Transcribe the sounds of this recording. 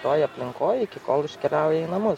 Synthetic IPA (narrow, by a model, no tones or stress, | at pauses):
t̪oːjɐpʲlʲɪŋkoːjɪkʲɪko̰ːlˠɪʃʲkʲɛlʲaˑʊjɛiːnɐmʊs